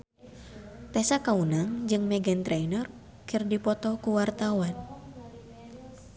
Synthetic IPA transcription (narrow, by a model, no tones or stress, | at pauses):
t̪ɛsakaunaŋd͡ʒɨŋmɛɡɛnt̪ɾɛinɔr | kɨrdipɔt̪ɔkuwart̪awan